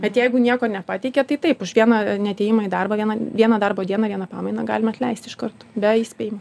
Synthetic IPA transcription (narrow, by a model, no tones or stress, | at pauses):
bʲɛt̪jɛɪɡʊnʲiɛkoːnʲɛpɑːt̪ʲɛɪkʲɛt̪ɐɪt̪ɐɪpʊʃʋʲiɛnɐnʲɛt̪ʲɛːjɪmɐid̪ɐrbɐʋiɛnɐʋʲiɛnɐd̪ɐrboːd̪ʲiɛnɐːʋʲiɛnɐpɑːmɐɪnɐɡɑ̰ːlʲɪmɐt̪ʲlʲɛɪsʲt̪ʲɪʃkɐrt̪oːbʲɛiːsʲejɪmɐ